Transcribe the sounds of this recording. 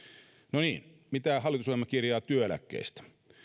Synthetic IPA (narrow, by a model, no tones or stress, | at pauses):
noniːnmit̪æːhɑlːˑit̪usoimɑkirjɑːt̪yøelæ̰kːḛist̪æ̥